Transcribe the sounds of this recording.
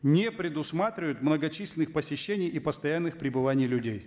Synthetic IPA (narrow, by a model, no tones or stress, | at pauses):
nʲepɾʲɪd̪ʊsmat̪ɾʲɪvəjʊt̪mnəɡɐt͡ɕisʲlʲɪnɨxpəsʲɪɕːenʲɪjipəst̪ɐjanːɨxpɾʲɪbɨvanʲɪjlʲʊdʲej